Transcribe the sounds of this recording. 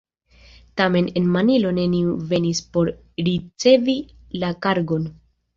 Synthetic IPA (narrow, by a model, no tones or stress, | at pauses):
tame̞ne̞nmanilo̞ne̞niuve̞nispo̞ɾ | ɾit͡se̞vi | lakaɾɡo̞n